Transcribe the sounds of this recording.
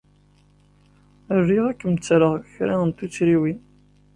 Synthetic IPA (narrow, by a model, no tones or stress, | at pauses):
ərːiʁækːəmt͡sːɾəʁçɾæənt̪ut͡sːɾiwin